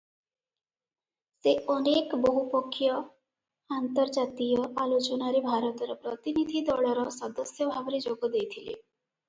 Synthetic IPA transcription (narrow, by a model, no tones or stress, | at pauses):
seɔnekbɔɦupɔkʰːjɔ | ant̪ɔɾd͡ʒat̪ijɔʔalot͡ʃɔnaɾebʱaɾɔt̪ɔɾɔpɾɔt̪inid̪ʱid̪ɔɭɔɾɔsɔd̪ɔsjɔbʱabɾed͡ʒoɡɔd̪ejt̪ʰilḛ